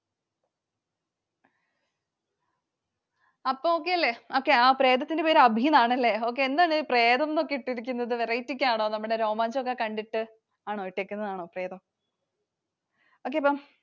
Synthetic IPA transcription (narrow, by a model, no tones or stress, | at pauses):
ɐpːoːoːk̬ːe̞ɐlːe̞o̞ːkːe̞aːpre̞ːd̪ɐt̪ːindepeːɾɐbʱinaːɳɐlːe̞o̞ːk̬ːe̞end̪aːɳɨpre̞ːd̪ɐmno̞kːiʈːiɾikʲːunːɐðɨʋerɐjitːikʲːaːɳo̞ːnɐmːuɽe̞ɾo̞ːmaːnsokːekɐɳɖiʈːɨ | aːɳoːiʈːekʲːunːɐðaːɳo̞ːpreːd̪ɐm | o̞ːk̬ːe̞ɐpːom